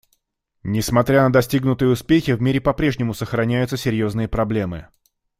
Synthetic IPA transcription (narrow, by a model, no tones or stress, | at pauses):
nʲɪsmɐt̪ɾʲanəd̪ɐsʲtʲiɡnʊt̪ɨjəʊspʲexʲɪvmʲeɾʲɪpɐpɾʲe̞ʐnʲɪmʊsəxɾɐnʲæjʊt̪səsʲɪɾʲjo̞znɨjəpɾɐblʲe̞mɨ